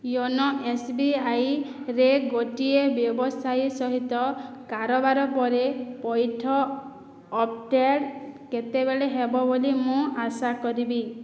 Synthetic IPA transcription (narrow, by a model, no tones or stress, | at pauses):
jɔnɔʔesbiajɾeɡoʈiebjɔbɔsʰajsɔɦit̪ɔkaɾɔbaɾɔpɔɾepɔjʈʰɔː | p̚ʰʈeɽket̪ebeɭeɦebɔbolimũasakɔɾibi